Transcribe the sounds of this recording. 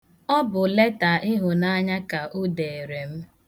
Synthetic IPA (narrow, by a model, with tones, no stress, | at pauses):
ɔ˦bʊ˨le˦ta˨ʔɪ˦ɦʊ˨na˦ɲa˦ka˨ʔʊ˦de˨e˨ɾe˨m̩˦